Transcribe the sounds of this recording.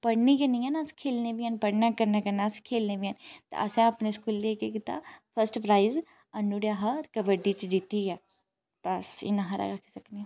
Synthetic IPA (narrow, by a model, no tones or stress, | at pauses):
pɐɽnikɐnijanaskʰeːlnebiaːnpəɽnakəɾnakəɾnaskʰeːlnebiaːnt̪ḛʔɐ̰sɛ̃ɐpneskuːlːeːkekit̪a̰pʰəɾsʈpɾaːɪz | ɐnːuɽjaɦaɾkəbəɖit͡ʃd͡ʒit̪iɡɛː | b̥ɐsɪ̰nãɦaɾa̰ɾakʰsɐkniaː